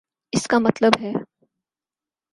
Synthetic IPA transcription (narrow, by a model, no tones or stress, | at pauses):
ɪskamɐt̪ləbɦɛː